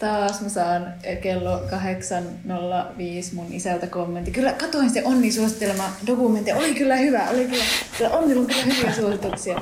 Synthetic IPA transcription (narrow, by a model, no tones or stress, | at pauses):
t̪ɑːsmæsɑːn | kelːokɑheksɑn | nolːɑʋiːsmunisælt̪ækomːent̪ːikylːækɑt̪oˑinseʔonːiːsuosit̪ːelemɑd̥okument̪ːijɑʔoliˑkylːæhyʋæʔolikylːæsilːæʔonːilːuŋkylːæhyʋiæsuosit̪uksiɑ